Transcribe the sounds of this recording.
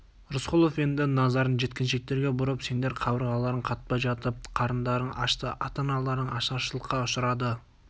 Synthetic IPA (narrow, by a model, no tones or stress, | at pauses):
ɾʊsqʊlˠo̞fe̞nd̪ɪnɑzɑɾənʒe̞t̪̚kʲɪnʃe̞k̚t̪e̞ɾɡʲe̞bʊɾəpse̞nd̪e̞ɾqʰɑbəɾʁɑlˠɑɾəɴqʰɑt̪̚pɑjʒɑt̪əp̚qʰɑɾənd̪ɑɾəɴɑ̰ʃt̪əʔɑt̪ɑnɑlˠɑɾəɴɑʃɑʃəlˠəqːɑʊʃəɾɑd̪ə